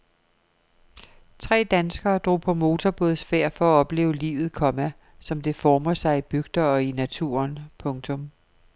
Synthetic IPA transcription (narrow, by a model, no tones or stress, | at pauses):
t͡sʰʁɛ̰ːd̥ænsɡ̥ɐːd̥ʁo̝̰ːpʰɒ̽mo̝ːt͡sʰɒb̥o̝ð̩ˠsfeɐ̰fɒ̽æɒ̽b̥le̝̰ːʊəlḭːʋð̞̩ˠkʰɒ̽mæ | sɒ̽md̥e̝fɒːmɐsɑ̈ɪib̥yɡ̥d̥ɐɒ̽inæt͡sʰṵːɐnpʰɔ̽ŋt͡sʰɔ̽m